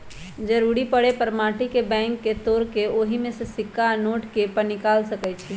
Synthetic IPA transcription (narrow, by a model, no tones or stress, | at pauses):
d͡ʒəɾuɾipəɽepəɾmaʈikebɛ̃ŋkːet̪oɾkeoɦimesə̃sikːanoʈkepəɾnikalsəkɛt͡ʃʰi